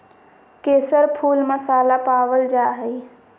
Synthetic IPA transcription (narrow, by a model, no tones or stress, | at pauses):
keːsəɾpʰuːlməsaːlapaːʋəld͡ʒaːɦəi